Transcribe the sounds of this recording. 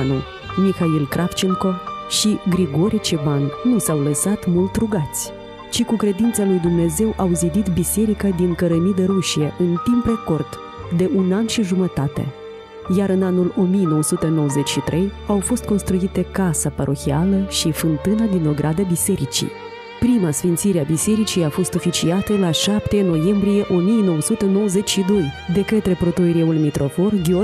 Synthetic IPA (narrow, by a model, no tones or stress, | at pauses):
nu | mixailkɾʔaft͡ʃiŋko̞ʃiɡɾiɡo̞ɾʔit͡ʃebanːusawləsat̪mult̪ɾuɡat̪sʲ | t͡ʃikukɾe̞d̪int̪salujd̪umne̞ze̞wʔawzib̪it̪bise̞ɾikad̪iŋkəɾəmid̪e̞ɾuʃie̞ʔɨnt̪impreko̞rd̪ | d̪e̞ʔunanʃiʒumət̪at̪e̞̰ | jaɾɨnanulo̞mijno̞wəsut̪e̞no̞wəze̞t͡ʃʃit̪ɾʔe̞j | awfo̞st̪̚ko̞nst̪ɾuit̪e̞kasapəɾʔo̞xialəʃifɨnt̪ɨnad̪inoɡɾʔad̪abise̞ɾit͡ʃḭ | pɾimasfint̪siɾeabise̞ɾit͡ʃijafo̞st̪ofit͡ʃiat̪əlaʃapt̪e̞no̞je̞mbɾije̞ʔo̞mijeno̞wəsut̪e̞no̞wəze̞t͡ʃʲʃid̪o̞jd̪e̞kət̪ɾe̞pɾo̞t̪oeɾeulmit̪ɾo̞fo̞rɡʲeo